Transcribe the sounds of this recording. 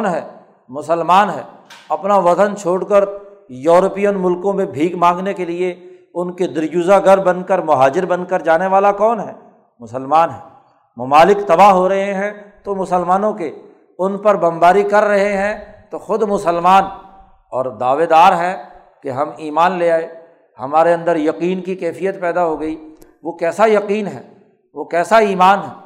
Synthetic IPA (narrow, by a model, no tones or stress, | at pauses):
nɦɛː | mʊsəlmaːnɦɛ̰ːɐpnaʋɐt̪ənt͡ʃʰoːɽkəɾjɔːɾpijənmʊlkõmẽbʱiːkmãːŋɡnekelie | ʊnked̪ɪɾd͡ʒuːzaɡɐɾbɐnkəɾmʊɦaːd͡ʒɪɾbɐnkəɾd͡ʒaːneʋaːlakɔːnɦɛ̰ː | mʊsəlmaːnɦɛː | mɐmaːlɪkt̪ɐbaɦoɾɐɦeɦɛ̃t̪omʊsəlmaːnõke | ʊnpɐɾbɐmbaːɾikɐɾːɐɦeɦɛ̃t̪oxʊd̪mʊsəlmaːn | ɔːɾd̪aːʋed̪aːɾɦɛ | keɦɐmiːmaːnleaːeː | hɐmaːɾeɐ̃nd̪əɾjɐqiːnkikɛːfijət̪pɛːd̪aɦoɡɐiʋokɛːsajɐqiːnɦɛ̰ː | ʋokɛːsaiːmaːnɦɛː